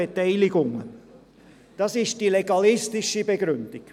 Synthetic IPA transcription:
etɛɪlɪɡʊŋə | d̥ɑsɪʃd̥ileɡɑlɪstɪʃibeɡɾʏnd̥ɪk

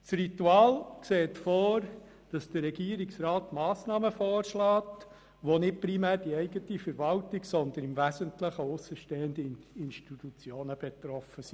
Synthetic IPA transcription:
t͡srituɑːlkseːtfɔːɾ | d̥ɑsd̥əɾɛɡiːəɾiksɾɑːtmɑːsnɑːməfoːrʃlɑːt | ʋonɪt̚pɾimæːɾd̥iɛɪɡətifəɾʋɑltiɡsɔnd̪ənɪmvæzəntləχəʊsəʃteːəndəinʃtitut͡sjoːnəb̥ɛt̪ɾɔfəsi̥

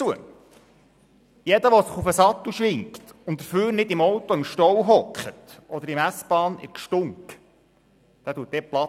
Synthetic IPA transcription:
uə | jɛdəʋɔsəχufəsɑt̪ːuʃʋɪŋkt̪ʊnt̚dəɾføːɾnɪd̪ɪmɔwt̪ɔɪmʃtɔwɦɔkχətʔɔd̪əɾɪmæsb̥ɑːnɪ̰kʃtʊŋk | d̪̥æːtuət̚dɛplɑ

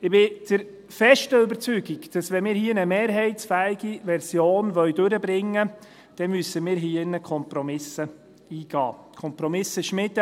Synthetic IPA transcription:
ɪbɪd̥əɾ | fɛʃtəʏbəɾt͡syɡikd̥ɑsʋɛnmɪːɾhiːənəmeːɾɦɛɪtsfæːɪɡiʋɛɾsjoːnʋœɥdøɾəbɾɪŋːə | d̥ɛnmysəmɪːɾɦiːəɪnːəkʰɔmpɾɔmɪsə | iːɡ̥ɑ̰ːkʰɔmpɾɔmɪsəʃmɪt

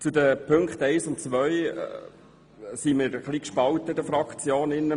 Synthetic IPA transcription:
t͡sʊd̪əpʰɵŋkχt̪ɛɪsʊntt͡sʋœʏ | simɪɾχliːkʃpɑlt̪əɪdəfɾɑkχt͡sjoːnɪnːə

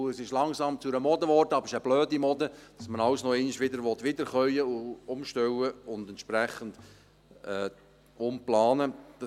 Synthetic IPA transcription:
əsɪʃlɑŋsɑmt͡sʊɾəmɔdəʋɔrdəɑb̥ɪʃəb̥løːdimɔdəd̥ɑsmənɑwsnɔeniʃʋɪdəɾʋɔt̪ʋɪdəɾχœʏəʊʊmʃtɛwəʊndɛntʃpɾɛχənd̥ | ɛː | ʊmplɑːnəd̥ɑ

